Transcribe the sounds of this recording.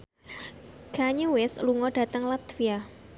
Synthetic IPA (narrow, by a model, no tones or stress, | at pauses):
ɡ̥aɲuwɛsluŋɔɖ̥a̤t̪əŋlat̪fia